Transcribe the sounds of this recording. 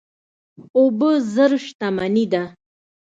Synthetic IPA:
obəzəɾʃt̪amanid̪a

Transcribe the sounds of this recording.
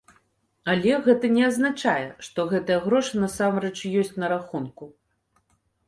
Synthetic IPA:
alʲɛɣɛt̪ɐnʲɛɐznat͡ʂajɛʂt̪ɔɣɛt̪ɐjɐɣɾɔʂɨnasamrɛt͡ʂjɔsʲtt͡sʲnɐɾaxunku

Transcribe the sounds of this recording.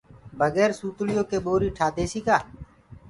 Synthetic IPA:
bʱəɡeːɾsuːt̪lɪjõːkeːɓoːɾiːʈʰaːd̪ʱeːsiːkaː

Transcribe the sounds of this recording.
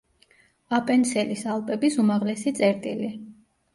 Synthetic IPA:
apʼɛnsɛlisalˠpʼɛbisumaʁlɛsit̪sʼɛɾt̪ʼili

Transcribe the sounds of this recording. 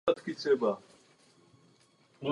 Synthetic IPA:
ɐt̪kit͡sʰeːbaː

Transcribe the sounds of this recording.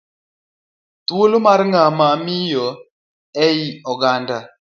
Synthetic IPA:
twolomaɾŋamamijɔ | ɛjiɔɡanda

